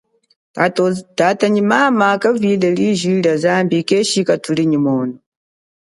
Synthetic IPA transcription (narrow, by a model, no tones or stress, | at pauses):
tataɲimamakavilɛliʒilazaːmbikɛʃikatuliɲimɔːnɔ